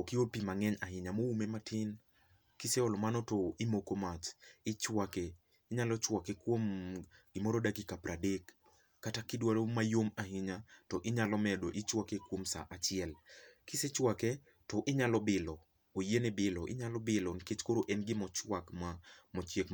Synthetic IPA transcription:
okɪopimaŋɛɲaɦɪɲamoumematʰɪn | kɪseɔlɔmanɔtɔɪmokomat͡ʃɪt͡ʃwake | ɪɲalɔt͡ʃwakekwomɡɪmɔɾɔdakikapɾadekː | atakɪdwaɾomajomahɪɲatɔʔɪɲalɔmɛdoʔɪt͡ʃwakekwomsa̰ʔat͡ʃɪɛlkɪset͡ʃwakɛ | tɔʔɪɲalɔbɪlɔ | ojenebɪlɔʔɪ̰ɲalɔbɪlɔnɪket͡ʃkoɾoʔɛnɡɪmɔt͡ʃwakmamɔt͡ʃjek

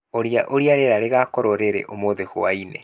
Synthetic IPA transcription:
oɾiaʔoɾiaɾeɾaɾeɣakɔɾoɾeɾḛʔomoðeɣoainḛ

